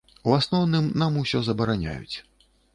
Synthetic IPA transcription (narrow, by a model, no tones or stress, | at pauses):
uasnɔwnɨmnamusʲɔzɐbɐɾanʲa̰jṵt͡sʲ